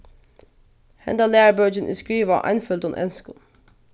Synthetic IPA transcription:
hɛ̰nd̪ɑlæːɹbœd͡ʒənʔɪ̰skɹiːʋəʔæ̰ɪnfœld̪ɔnʔɛ̰nskʊn

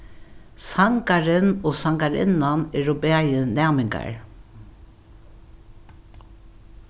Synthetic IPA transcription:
saŋkaɹɪnoːsaŋkaɹɪ̰nːanɛɹʊbeːajɪnæːmɪŋka̰ɹ

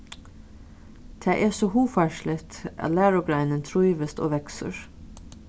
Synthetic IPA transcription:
t̪ʰæːʔeːsoːhuːfæʃlɪt̪ʔɑ̰ːlæːɹʊɡɾæɪnənt̪ʰɹuʏʋəst̪o̰ːʋɛksə̰ɹ

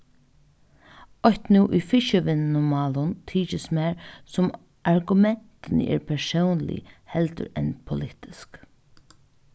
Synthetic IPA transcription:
ɔçt̪nuːʔujfɪʃəʋɪnnʊmaːlʊnt̪ʰiːt͡ʃɪsmɛɹsʊm | aɹɡʊmɛn̥t̪ɪnɪ̰ʔɪ̰ɹpʰɛɹsownlɪ̰hɛlt̪ʊ̰ɾɛnpʰʊlɪt̪ɪsk

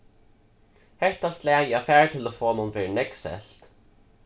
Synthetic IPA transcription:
hɛht̪ast̪lɛːjɪafæːɹt̪ʰɪlafoːmʊnvɛːɹnɛksɛ̰ɬt̪

